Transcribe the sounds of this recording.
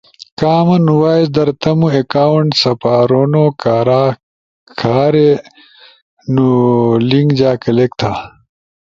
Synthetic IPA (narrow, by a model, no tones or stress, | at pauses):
kaːmɐnuwaːjzd̪ɐɾt̪ɐmuekaːwuɳʈsɐpaːɾoːnoːkʰaːɾaː | kʰaːɾe | nuliŋɡd͡ʑaːkɐlek̚t̪ʰaː